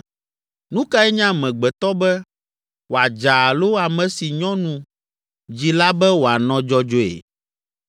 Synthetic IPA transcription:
nũ˦ka˦ɛ˦ɲã˦mɛ̃˨ɡ͡bɛ˨t̪ɔ˦bɛ˦ | wo˨a˨d͡ʒa˨lo˦a˨mɛ̃˨si˨ɲɔ̃˦nũ˨ | d͡ʑi˦la˦bɛ˦wo˨a˨nɔ̃˦d͡ʒɔ˦d͡ʒo˦ḛ˨

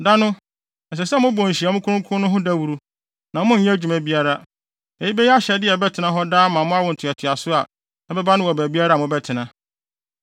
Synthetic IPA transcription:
da˦nʊ̃˦ | ɛ˨s̬ɛ˨sɛ˦˨mʊ̃˦bõ˨n̩˨ɕi˨a˨mʊ̃˦kʰʊ˦ɾʊ̃˦ŋkʰʊ̃˦nʊ̃˦ɦʊ̃˦da˦wu˨ɾu˦ | nã˨mʊ̃˦n̩˦ɛ̃˦d͡ʑᶣu˨mæ˨bi˦a˦ɾa˦ | e˨ji˦bɛ˦a˦ɕɛ˨dɪ˦ɛ˨bɛ˦tʰɪ˨nã˦ɦɔ˦daː˦mã˨mʊ̃˦a˦wɔ˨n̩˨tʰʊ˨ɛ˨tʰɪ˨a˨sʊ˦a˨ | ɛ˦bɛ˦ba˦nʊ̃˦wɔ˨bæ˨bi˦a˦ɾa˦˨mʊ̃˦bɛ˦tʰɪ˨nã˨

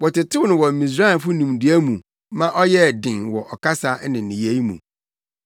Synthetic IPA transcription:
wɔ˨tɪ˨tʰɪ˦wnʊ̃˨wɔ˨mĩ˨s̬ɾa˦ɛ˨nfʊ˦nũ˨mdi˨æ˦mũ˨ | mã˦ʔɔ˦jɛ˦˨dɪ̃˨nwɔ˨ʔɔ˨ka˦sa˦nɪ̃˨nĩ˨je˦jmṵ̃˨

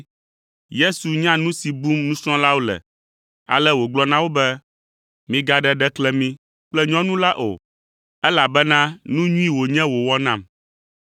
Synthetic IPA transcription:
je˦su˨ɲã˦nũ˦si˨bu˦mnũ˦sɾɔ̃˦la˦wo˦lɛ̰˨ | a̰˨lɛ˦wo˨ɡ͡blɔ˦nã˦wo˦bɛ˦ | mĩ˦ɡa˦ɖɛ˦ɖɛ˦klɛ˦mĩ˦ | k͡plɛ˦ɲɔ̃˦nũ˦la˦ʔo̰˨ | ɛ˦la˨bɛ˦nã˦nũ˦ɲũ˦i˦wo˨ɲɛ̃˦wo˨wɔ˦nã˦˨m

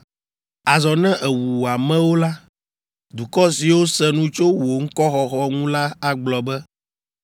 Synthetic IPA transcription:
a˨zɔ˨nɛ̃˦ʔɛ˨wu˨a˨mɛ̃˦wo˦la˦ | d̪u˨kɔ˦si˨wo˦sɛ˦nũ˦t͡ʃo˦wo˨ŋ̩˦kɔ˦xɔ˨xɔ˦ŋũ˦la˦a˨ɡ͡blɔ˨bɛ˦

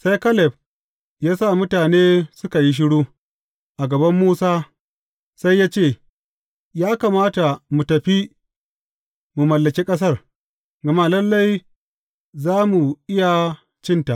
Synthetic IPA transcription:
sa˦jkɐ˦lɛ˨ɸ̚ | jaː˦sa˦˨mʊ˦taː˨neː˦sʊ˦ka˨ji˦ʃ̬ɪ˦ɽuː˦ | ʔa˨ɡɐ˨bɐ˦mːuː˦saː˦ | sa˦jːaː˦t͡ʃeː˦˨ | jaː˦ka˨maː˦ta˨mu˨tɐ˨ɸi˦ | mu˨mɐ˨lːɐ˨kʲeː˦kʼɐ˦s̬ɐ˦r | ɡɐ˨ma˦˨lɐ˦lːa˦j | zaː˦mu˨ʔɪ˦ja˨ | t͡ʃɪ˦nta˨

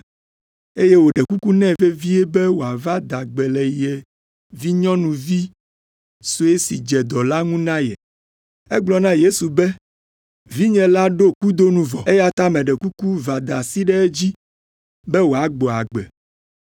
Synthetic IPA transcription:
e˦je˦wo˨ɖɛ˨ku˦ku˦nɛ̃˦ve˦vi˦ɛ˦bɛ˦wo˨a˨va˦d̪a˨ɡ͡bɛ˨lɛ˨jɛ˨ | vi˦ɲɔ̃˦nũ˨vi˦ | su˦e˦si˨d͡ʒɛ˨d̪ɔ˨la˦ŋũ˦nã˦jɛ̰˨ | e˦ɡ͡blɔ˨nã˦je˦su˨bɛ˦ | vi˦ɲɛ̃˨la˦ɖo˦ku˦d̪o˦nũ˦vɔ˨e˦ja˦t̪a˦mɛ̃˨ɖɛ˨ku˦ku˦va˨d̪a˨si˦ɖɛ˦e˦d͡ʑi˦ | bɛ˦wo˨a˨ɡ͡bɔ˨a˨ɡ͡bɛ̰˨

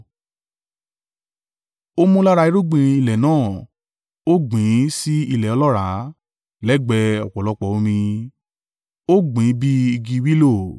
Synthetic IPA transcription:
o˦mũ˧˦la˦ɾa˧i˧ɾu˦ɡ͡bĩ˧i˧˨lɛ˨nãː˦˨ | o˦ɡ͡bĩ˨˦si˦i˧lɛ˨ɔ˧lɔ˦ɾa˨˦ | lɛ˦ɡ͡bɛ˧ɔ˨k͡pɔ˨lɔ˨˧˦k͡pɔ˨o˧mĩ˧ | o˦ɡ͡bĩ˨˦bi˦i˧ɡi˧wi˦lo˦˨

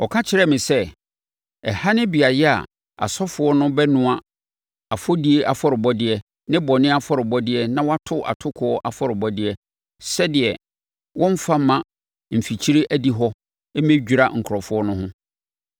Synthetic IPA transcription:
ɔ˨kʰã˦t͡ɕʰɪ˨ɾɛ˦mɪ̃˨sɛ˦ | ɛ˨ha˦nɪ̃˦bi˨a˨jɛ˦a̰˨ | a̰˨sɔ˦fʊ˨ɔ˦nʊ̃˦bɛ˦nʊ̃˨ã˨ | a˨fɔ˦di˦e˦ʔa˨fɔ˦ɾɪ˨bɔ˦dɪ˨ɛ˦ | nɪ̃˦bɔ˨nɪ̃˦a˦fɔ˦ɾɪ˨bɔ˦dɪ˦ɛ˦nã˦wa˦tʰʊ˦a̰˨tʰʊ˦kʰʊ˨˦ɔ˦ʔa˨fɔ˦ɾɪ˨bɔ˦dɪ˨ɛ˦ | sɛ˦dɪ˨ɛ˨ | wʔɔ̃˦m̩˦fa˦mã˨ | m̩˨fi˨t͡ɕʰi˦ɾe˦ʔæ˦di˦ɦɔ˦ | ɛ˦mẽ˦ɟᶣu˨ɾa˦ŋ̩˨kʰʊ˨ɾɔ˨fʊ˦ɔ˦nʊ̃˦ɦʊ̃˦

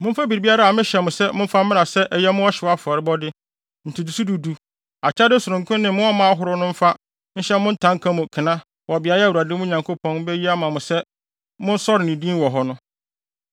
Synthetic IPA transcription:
mʊ̃˦m̩˦fa˦bi˨ɾi˦bi˦a˦ɾa˦a˨mɪ̃˦ɕɛ˨mʊ̃˨sɛ˦mʊ̃˦m̩˦fa˦m˦ɪ̃˦nã˨sɛ˦ʔɛ˨jɛ˦mʊ̃˦ɔ˦ɕɪ˨wa˦fʊ˨ɔ˨ɾɪ˨˦bɔ˦dɪ˦ | n̩˨tʰi˨du˨su˦du˨du˨ | a˨t͡ɕʰa˦dɪ˦sʊ˨ɾʊ̃˨ŋ˨kʰʊ̃˦nɪ̃˨mʊ̃˦a˦mã˦a˦ɦʊ˨ɾʊ˦nʊ̃˦m̩˦fa˦ | n̩˦ɕɛ˦mʊ̃˦n̩˦tʰã˦ŋ̩˦kʰã˦mʊ̃˨kʰɪ˨nã˦ | wɔ˨bɪ˨a˨˦jɛ˦˨wu˨ɾa˨dɪ˦mʊ̃˦ɲã˨ŋkʰo˦pʰɔ̃˦n˦bɛ˦ji˦a˦mã˨mʊ̃˨sɛ˦ | mʊ̃˦n̩˦sɔ˦ɾɪ˨nĩ˨dĩː˦n˦wɔ˨ɦɔ˦nʊ̃˦

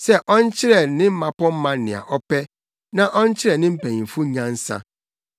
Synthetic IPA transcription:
sɛ˦ʔɔ̃˦ɲ˦t͡ɕʰɪ˦ɾɛ˨nɪ̃˦m̩˦mã˨pɔ̃˦m̩˦mã˨˦nɪ̃˨a̰˨ʔɔ˦pɛ˦ | nã˨ʔɔ̃˦ɲ˦t͡ɕʰɪ˦ɾɛ˨nɪ̃˦m̩˦˨pʰæ̃˨ɲĩ˨fʊ˦ɲã˦n̩˦sã̰˦

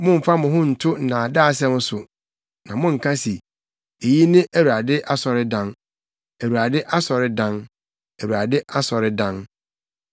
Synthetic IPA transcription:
mʊ̃˦m̩˨fa˦mʊ̃˨ɦʊ̃˦n̩˨tʰʊ˦˨nã˨daː˦˨s̬ɛ˦mʊ̃˦sʊ˨ | nã˨mʊ̃˦ŋ̩˨kʰã˦si˨ | e˨ji˦nɪ̃˦ʔæ˨wu˨ɾa˨dɪ˦ʔa˦sɔ˨ɾɪ˦dã˦n | æ˨wu˨ɾa˨dɪ˦ʔa˦sɔ˨ɾɪ˦dã˦n | æ˨wu˨ɾa˨dɪ˦ʔa˦sɔ˨ɾɪ˦dã˦n

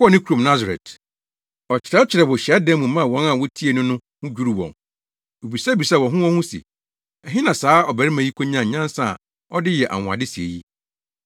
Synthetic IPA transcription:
kɔ˦˨nɪ̃˦kʰu˦ɾõ˨m˨na˦za˨ɾɛ̰˨t | ɔ˨t͡ɕʰɪ˨ɾa˦t͡ɕʰɪ˨ɾɛ˨bʊ˨ɕi˨a˦dɛ̃˦mːũ˨˦mã˦˨wɔ̃˦nã˨wɔ˦tʰi˦e˨nʊ̃˦nʊ̃˦ | hʊ̃˦d͡ʑᶣu˦ɾu˨wɔ̰̃˨ŋ | o˨bi˨sa˦˨bi˨sa˦˨wɔ̃˨ɦʊ̃˦wɔ̃˦hʊ̃˦sḭ˨ | ɛ˨ɦɪ̃˦nã˨saː˨˦ɔ˨bæ˨ɾɪ˦mã˨ji˦kʰo˦ɲã˦˨ɲ̩˨ɲã˦nsa̰˦˨ | ɔ˦dɪ˦jɛ˨ʔa̰˨ŋʊ̃˨a̰˨dɪ˦si˨ḛ˨ji˦

